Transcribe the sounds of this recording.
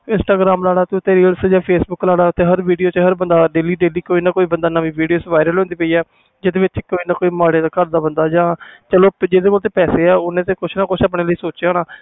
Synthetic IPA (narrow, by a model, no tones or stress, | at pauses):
ɪnsʈaːɡɾaːmlaːɽaːt̪eʊt̪eːɾiːəlsd͡ʒãːpʰeːsbʊkːlaːɽaːt̪eːɦəɾʋiːɖijoːt͡ʃɦəɾbənd̪aːɖeːliːɖeːliːkoːiːnãːkoːiːbənd̪aːnaːʋiːʋiːɖijoːsʋaːɪɾəlɦõːnd̪iːpəiːɛː | d͡ʒed̪eːʋɪt͡ʃkoːiːnãːkoːiːmaːɽeːd̪aːkəɾd̪aːbənd̪aːd͡ʒãːt͡ʃəloːd͡ʒeːd̪eːkoːlt̪eːpɛːseːɛːʊnẽːt̪eːkʊt͡ʃʰnaːkʊt͡ʃʰaːp̬ɽ̃eːləiːsoːt͡ʃjaːnaː